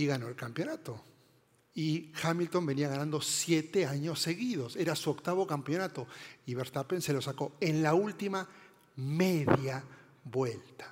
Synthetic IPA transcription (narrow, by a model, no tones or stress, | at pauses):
iɣano̞elkampjo̞nat̪o | ixamilt̪o̞mbe̞niaɣanãnd̪osje̞t̪e̞aɲo̞sːe̞ɣiðo̞se̞ɾasuokt̪aβo̞kampjo̞nat̪o̞iβeɾt̪apense̞lo̞sako̞enlault̪ima | meðja | βwe̞lt̪ḁ